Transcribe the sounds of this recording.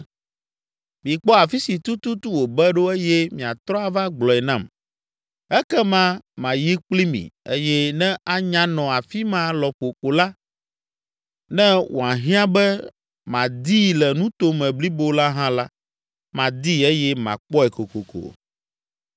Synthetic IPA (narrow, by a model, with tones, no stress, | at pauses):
mĩ˨k͡pɔ˦a˨fi˦si˨t̪u˦t̪u˦t̪u˦wo˨bɛ˦ɖo˦e˦jɛ˦mĩ˨a˨t̪ɾɔ˦a˨va˦ɡ͡blɔ˨ɛ˨nã˦m | ɛ˦kɛ˦mã˦mã˨ji˦k͡pli˦mḭ̃˨ḛ˦jɛ˦nɛ̃˦a˦ɲã˦nɔ̃˨a˨fi˦mã˦lɔ˨ɸo˨ko˨la˦ | nɛ̃˦wʔo̰˨a˨ɦĩ˦ã˦bɛ˦ | mã˨d̪i˦lɛ˨nũ˦t̪o˦mɛ̃˨bli˦bo˦la˦ɦã˦la˦ | mã˨d̪i˦e˦jɛ˦mã̰˨k͡pɔ˦ɛ˨ko˨ko˨ko̰˨